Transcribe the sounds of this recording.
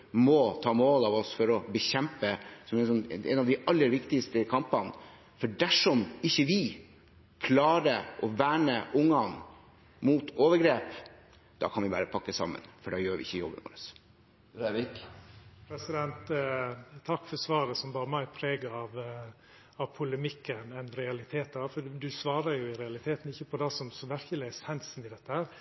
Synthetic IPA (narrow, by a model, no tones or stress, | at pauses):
mɔt̪ʰɑːmoːlɑʋɔsfɔɾɔbəçɛmpəsɔmɛnsɔnɛ̰nɑʋd̪ɪʔɑlːəɾʋɪkt̪ɪst̪əkʰɑmpɑn | fɔɖæʂɔmɪçːəʋɪ | kʰlɑːɾəʔɔʋæːɳəʔʊŋːɑn | muːt̪oːʋəɾɡɾeːp | d̪̥ɑ̰ːkʰɑnʋɪbɑːɾəpʰɑkːəsɑ̰mːə̰nfɔɖɑjøːɾʋɪɪçːəjɔ̰bəno̰ːləs | ɾeʋɪkpʰɾɛsɪd̪ɛnt̪ | t̪ʰɑkːfɔɾsʋɑːɾəsɔmbɑːɾəmæɪpʰɾeːɡəɾɑʋ | ɑʋpʰʊləmɪkːənɛnɾɛɑlɪt̪ʰeːt̪̚d̪ɑfɔd̪ʉsʋɑːɾəɾjʊɪɾɛɑlɪt̪ʰeːt̪n̩ɪçːəpʰɔd̪ɛsɔmsɔmʋæɾkəlɪɛsɛnsn̩ɪd̪ɛt̪ːəhæːɾ